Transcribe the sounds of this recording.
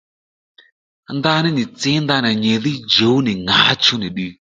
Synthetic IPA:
nd̪a˥˨ni˥˨ni˨t͡se˥nd̪a˥˨na˨ɲe˩˨li˥˨d͡ʑo˩˨ne˨ŋa˨t͡ɕʰu˥˨ne˨ɗi˥˨

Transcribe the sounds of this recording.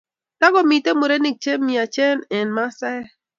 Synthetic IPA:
ta˦ɣɔ˨mi˨te˦mo˨ɾe˦ni˨k̚t͡ʃe˦mi˨a˨t͡ʃɛ˦nɛ˨nma˦sɛ˦

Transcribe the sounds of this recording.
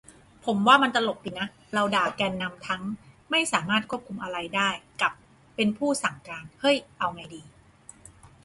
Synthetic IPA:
pʰo˩˦mwaː˥˩ma˧nt̪a˧lo˨˩p̚diː˨˩na˦˥ | ɾa˧wdaː˨˩kɛː˧nːa˧mt̪ʰa˦˥ŋma˥˩jsaː˩˦maː˥˩t̪̚kʰu˥əp̚kʰu˧mʔa˧ɾa˧jdaː˥˩jka˨˩pː | e˧npʰuː˥˩sa˩˦ŋkaː˧nhɤ˥˩jʔa˧wma˧jdiː˧

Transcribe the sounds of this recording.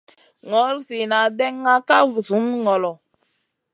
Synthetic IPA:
ŋɔ˨˦ɾsi˨na˨dɛ˦ŋː˦a˦ka˦vu˨su˨˦n˦ŋɔ˨lɔ˨

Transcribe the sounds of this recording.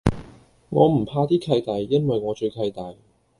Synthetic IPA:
ŋɔ̰ː˨˧m̩˨˩pʰaː˧t̪iː˥kʰɐ˧jt̪aː˨˩jːɐ˥nwɐ˨jŋɔː˨˧t͡ʃɵ˧ɥkʰɐ˧jt̪aː˨j

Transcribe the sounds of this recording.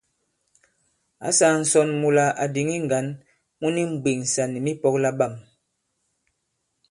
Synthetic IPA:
a̰˨˦sa˨n̩˨sɔ˨nmu˨la˨ʔa˨di˨ŋi˦ŋ˨ɡa˨˦n | mu˦ni˦m̩˨ɡ͡bi˨ŋ̩˨sa˨ni˨mi˦pɔ˦kla˦ba˦˨m

